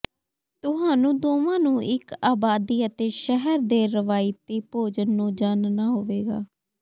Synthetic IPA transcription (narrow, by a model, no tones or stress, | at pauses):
t̪ʊɦaːnũːd̪oːmãːnũːʔɪkaːbaːd̪iːət̪eːʃɛɦəɾd̪eːɾəʋaːjɪt̪iːpoːd͡ʒənːũːd͡ʒaːnnaːɦoːʋeːɡaː